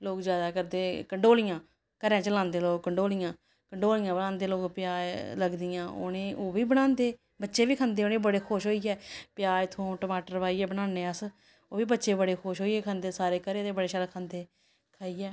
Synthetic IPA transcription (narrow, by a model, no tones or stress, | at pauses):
loːkzjaːd̪aːkəɾd̪eːkəɳɖoːlijãː | kəɾɛ̃ːt͡ʃəlãːnd̪eːloːɡ̚kːəɳɖoːlɪjãː | kəɳɖoːlɪjãːbəɽãːnd̪eːloːɡpjaːləɡd̪ɪijãːo̰nẽːʔoːʋiːbəɽ̃ãːnd̪eː | bətːʃeːʋiːkʰə̃nd̪eːonẽːbəɽeːkʰoʃɦoːiɛːpjaːt̪ʰõːʈəmaːʈəɾʋaːiːɛːbəɽãːnːeːəs | oːʋiːbətːʃeːbəɽeːkʰoːʃɦoːiɛːkʰə̃nd̪eːsaːɾeːkəɾẽːt̪eːbəɽeːʃad̪aːkʰãːnd̪eː | kʰaːiːɛː